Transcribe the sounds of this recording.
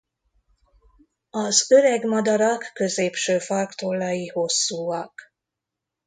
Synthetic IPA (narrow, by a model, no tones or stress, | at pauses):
ɒzø̞ɾɛɡmɒd̪ɒɾɒkːøzeːpʃøːfɒrkt̪olːɒjiho̞sːuːɒk